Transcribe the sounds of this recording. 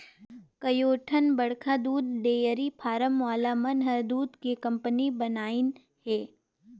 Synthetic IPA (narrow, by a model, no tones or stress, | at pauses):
kɐjoːʈʰənbɐɽkʰad̪uːd̪ɖeːjəɾipʰaːɾəmʋaːlamənɦəɾd̪uːd̪kekɐ̃mpənibɐnaːɪn | ɦɛː